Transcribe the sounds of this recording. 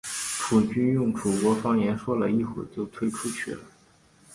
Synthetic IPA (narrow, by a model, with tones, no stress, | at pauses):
pʰu˨˩t͡ɕy˥njʊ˥˩ŋʈ͡ʂu˨˩kwɔ˧˥fɑ˥ŋjɛ˧˥nʂwɔ˥lə˨i˥˧xwu˥˩t͡ɕjo˥˩ʊt̪ʰwe˥ɪʈ͡ʂʰu˥t͡ɕʰy̰˥˩lə˩˦